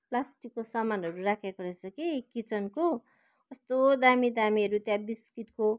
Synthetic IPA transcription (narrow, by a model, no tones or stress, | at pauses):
plasʈikːosʌmanɦʌɾurakʰjakorʌt͡sʰʌkikit͡sʌnko | ʌst̪od̪amid̪amiʌɾut̪jãbiskiʈko